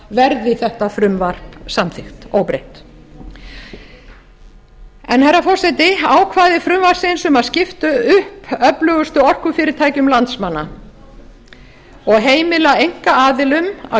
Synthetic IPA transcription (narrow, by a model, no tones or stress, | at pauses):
vɛɾðɪθɛht̪afɾʏmvar̥psamθɪxt̪owpɾḛjht̪ | ɛnhɛrːafɔr̥sɛt̪ɪaːwkʰvaːðɪfɾʏmvar̥sɪnsʏmaðscɪft̪ʏʏhpœplœɣʏst̪ʏɔr̥kʏfɪːɾɪɾt̪ʰaːjcʏmlant̪smanːa | ɔɣɦeːjmɪlaejŋ̥kaaːðɪlʏma̰